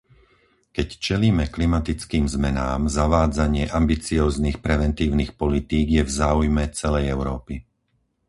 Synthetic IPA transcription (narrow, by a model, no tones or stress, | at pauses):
kɛct͡ʃɛliːmɛklimat̪it͡skiːmzmɛnaːmzaʋaːd͡zaɲɪɛʔambit͡siɔːzniːxpɾɛʋɛnt̪iːʊnixpɔlit̪iːɡjɛvzaːujmɛt͡sɛlɛjɛʊɾɔːpi